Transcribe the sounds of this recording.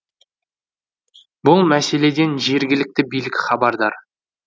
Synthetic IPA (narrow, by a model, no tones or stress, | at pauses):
bʊlˠmæse̞le̞d̪e̞nʒe̞ɾɡʲɪlɪk̚t̪ɪbijlɪkʲɪχɑbɑɾd̪ɑɾ